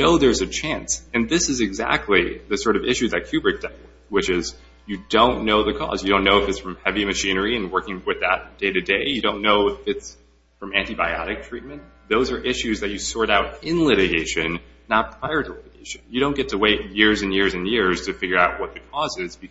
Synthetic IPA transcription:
noʊðə˞zɨt͡ʃʰæ̃nsɨ̃nðɪsɨzɨɡzæ̰k̚tʰˡliðɨsɔɹɾʌvɪʃʉðɨt̚kʰj̥ʉbɨk̚d̥a | wɨt͡ʃɪz | jɨdõʊ̃nːoʊðɨkʰɔ̰zjɨɾõʊ̃nːoʊɨfɨtsfɹʌ̃mhɛvimɨʃĩnə˞iɨ̃nwɜ˞kɪ̃ŋwɨðət̚ʌ̃d̥eɪɾɨdeɪjɨdõʊ̃nːoʊɪfɨts | fɹʌ̃mæ̃ntibaɪɑ̰ɾɨk̚tʰɹ̥it̚mɨ̃n | ðoʊzə˞ʔɪʃʉzðɨt͡ʃɨsɔɹɾaʊɾɪ̃nlɪɾɨɡeɪʃɨ̃nː | ət̚pʰɹ̥aɪə˞ɾəlɪɾɨɡeɪʃɨ̃njɨɾõʊ̃nɡ̥ɛtʰəweɪt̚jɪɹzɨ̃njɪɹzɨ̃njɪɹz̥tʰɨfɪɡjə˞aʊt̚wʌt̪̚ðɨkʰɔzɪzbɨ

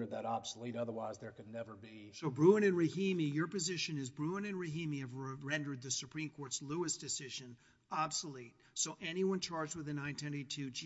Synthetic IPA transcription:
ə˞d̪̚ðəɾɑb̥səliɾʌðə˞waɪzðə˞kɨdⁿnɛvə˞bisoʊbɹuə̃nɨ̃nɹɨhĩmijə˞pɨzɪʃɨ̃nɨzbɹuə̃nɨ̃nɹɨɦĩmiɨvɹɛ̃ndə˞d̪̚ðɨsɨpʰɹ̥ĩmkʰɔɹtsluəsd̥ɨsɪʒɨ̃n | ɑb̥səlit̚soʊʔɛniwʌ̃nt͡ʃʰɑɹd͡ʒd̚wəðɨnãɪ̃ntʰwɛ̃ntitʰʉd͡ʒ

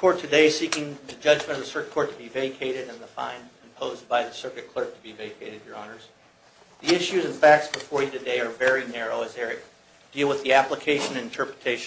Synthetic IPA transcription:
kʰɔɹtʰɨdeɪsikɪ̃ŋðɨd͡ʒʌd͡ʒmɨ̃ñʌvðəsɜ˞kt̚kʰɔɹtʰəbiveɪkʰeɪɾɨɾɨ̃nðəfã̰ɪ̃nɨ̃mpʰoʊz̚baɪðɨsɜ˞kɨt̚kʰl̥ɜ˞k̚tʰəbiveɪkʰeɪɾɨdjə˞ɑnə˞z̥ | ðiɪʃʉzɨ̃nfæk̚tsb̥əfɔɹjɨɾɨdeɪə˞vɛɹinɛɹoʊɨzə˞ɨt | d̥ilˠwəðiæpləkʰeɪʃɨ̃nɨ̃nɨ̃n̩tʰɜ˞pɹɨtʰeɪʃ

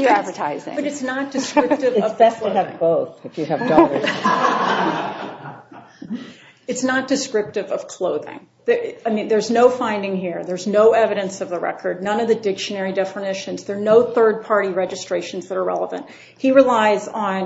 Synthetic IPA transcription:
jə˞ædvə˞tʰaɪzɪ̰̃ŋb̥ʌɾɨtsnət̚d̥ɨskɹɹɪtɨvʌvɨvboʊθɨfjɨːvdɑə | ɨtsnət̚d̥ɨskɹɪp̚tɨvʌv̥kʰl̥oʊðɪ̰̃ŋ | ðəaɪmĩnðə˞znoʊfãɪ̃ndɪ̃ŋɦiɹðə˞znoʊɛvɨɾɨ̃nsʌvðəɹɛ̰kʰə˞dⁿnʌ̃nʌvðɨdɪkʃɨnɛɹidɛfənɪʃɨ̃nzðə˞noʊθɜ˞d̚pʰɑɹɾiɹɛd͡ʒɨstɹ̥eɪʃn̩zðəɾə˞ɹɛ̰lˠəvɨ̰̃nt̚ | hiɹilaɪzn̩

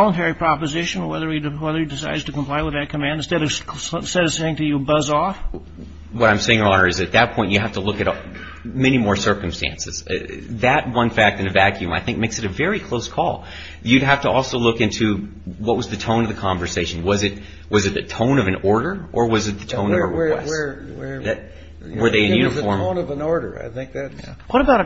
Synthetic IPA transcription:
lˠə̃ntʰɛɹipʰɹ̥ɑpɨzɪʃɨ̃nə˞wɛðə˞ɨwɛðə˞ɨdɨsaɪdz̥tɨkə̃m̩pʰl̥aɪwəðɨt̚kʰɨmæ̃ndstɛɾʌsɛɾʌ̥seɪɪ̃ŋtɨjɨbʌzɔf | wʌɾãɪ̃mseɪɪ̃ŋə˞ɑnə˞ɨzɨt̪̚ðɨt̚pʰɔ̃ɪ̃nt͡ʃɨɦæftəlʊkɨɾ | mɛnimɔɹsɜ˞km̩stæ̰̃nsɨz̥̰ðɨt̚wʌ̃nfæk̚tɨ̃nɨvækʰjʉ̃ma̰ɪθɪ̃ŋk̚meɪksɨɾɨvɛɹikʰl̥oʊskʰɔ̰lˠ | jɨd̚ɦæftəɔlˠsoʊlʊkɪ̃ntʰʉ | wʌt̚wʌzðɨtʰõʊ̃nʌvðɨkʰɑ̃ɱvə˞seɪʃn̩wʌzɨt̚ | wʌzɨt̪̚ðɨtʰõʊ̃nʌvɨ̃nɔɹɾə˞ʔə˞wʌzɨt̪̚ðɨtʰõʊ̃nʌvəwwɛ̰swəðɨt̚ | wə˞ðeɪɨ̃njʉñɨfɔɹmnʌvnɔɹɾə̰˞a̰ɪθɪ̃ŋk̚ðætwʌɾəbaʊɾ

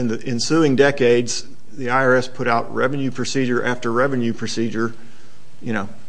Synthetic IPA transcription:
ɨ̃nðɨʔɪ̃nsʉɪ̃ŋdɛkeɪdz̥ | ðiaɪɑɹɛspʰʊɾaʊt̚ɹɛ̰vɨ̃njʉpʰɹ̥ɨsid͡ʒə˞ʔæftə˞ɹɛvɨ̃njʉpʰɹ̥ɨsid͡ʒə˞ | jɨñoʊ

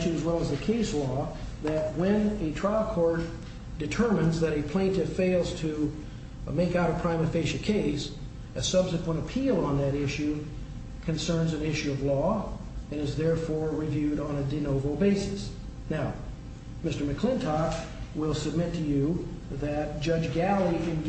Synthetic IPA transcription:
ʃɨ̃nɨzwɛlˠəzðɨkʰeɪslɔ | ðɨt̚wɨ̃nɨtʰɹ̥aɪlˠkʰɔɹt̚ | d̥ɨtʰɜ˞mɨ̃nzðɨɾɨpʰl̥æ̃ɪ̃ntɨfeɪlˠz̥tʰɨ | meɪkaʊɾəpʰɹ̥ãɪ̃mɨfeɪʃɨkʰeɪs | ɨsʌb̥sɨkwə̃ɾ̃əpʰilˠə̃nðɨɾɪʃʉ | kʰɨ̃nsɜ̃˞nzɨ̃nɪʃʉʌvlɔ | ɨ̃ñɨzðɛɹfɔɹɹivjʉɾn̩ɨdɨnoʊvə˞l̩ˠbeɪsɨs | naʊ | mɪstə˞mɨkʰl̥ɪ̃ntʰɑk | wɪlˠsɨb̚mɪtʰɨjɨ | ðɨt̚d̥ʒ̥ʌd͡ʒɡælˠiɨ̃n

